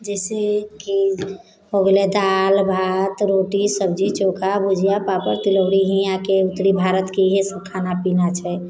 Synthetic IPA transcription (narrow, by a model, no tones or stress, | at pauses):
d͡ʒɛseki | ɦoɡelɛd̪albʱat̪ɾoʈisəbd͡ʒit͡ʃokʰabud͡ʒʱijapapəɾt̪iləʊɽiɦĩjãkeut̪ːɾibʱaɾət̪kiɦesəb̚kʰanapinat͡ʃʰɛ